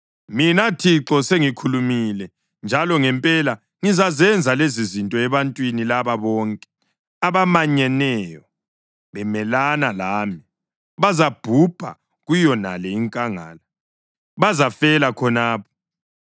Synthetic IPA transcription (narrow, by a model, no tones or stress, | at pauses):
minatʰiǁɔseŋikʰulumilɛ | nd͡ʒʱalɔŋɛmpʼɛla | ŋizazɛnd͡zʱalezizintʼɔɛβantʼwinilaβaβɔːŋkʼɛ̥ | aβamaɲɛnɛjɔ | βɛmɛlanalaːmi | βazab̥ʱub̥ʱa̰ | ɣujɔna̰lɛiŋkʼaŋa̰ːla | βazafɛlakʰɔnaːp̚ʰɔ̥